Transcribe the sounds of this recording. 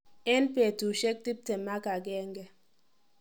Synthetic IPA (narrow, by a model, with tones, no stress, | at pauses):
ɛ˦npɛ˨tu˨ʃɛ˦k̚ti˦p̚tɛ˨ma˦ka˨ɡɛ˦ŋɡɛ˦